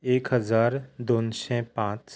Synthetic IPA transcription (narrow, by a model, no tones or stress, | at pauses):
eːkɦəzaːɾd̪oːnsɛpãːt͡ʃ